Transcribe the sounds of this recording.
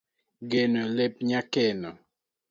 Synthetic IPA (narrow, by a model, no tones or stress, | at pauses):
ɡenolep̚ɲakɛnɔ